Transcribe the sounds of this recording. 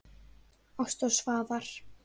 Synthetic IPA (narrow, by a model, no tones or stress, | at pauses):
ast̪ɔsvaːvaɾ̥